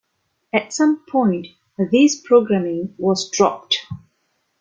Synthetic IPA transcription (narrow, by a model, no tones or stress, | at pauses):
ɨtsʌ̃mpʰɔ̃ɪ̃nt | ðizpʰɹoɡɹæmɪ̃ŋwɔzdɹɔp̚t